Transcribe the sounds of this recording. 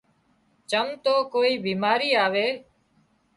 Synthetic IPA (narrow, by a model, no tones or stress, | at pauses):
t͡ʃəmt̪oːkoːiːbiːmaːɾiːaːʋeː